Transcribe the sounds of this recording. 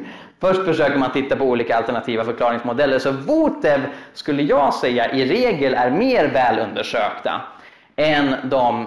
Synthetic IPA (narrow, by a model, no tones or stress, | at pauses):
fœʂʈfœʂøːkəɾmant̪ʰɪt̪ːapɔuːliːkaːlt̪ɛɳat̪ʰiːvafœɾkʰlɑːɾɪŋsmʊd̪ɛlːəɾʂɔvuːt̪ɛvskɵlːəjɑːɡsɛjːaʔɪɾeːɡəlæɾmeːɾvɛːlɵnd̪əʂøːkt̪a̰ | ɛnd̪ɔm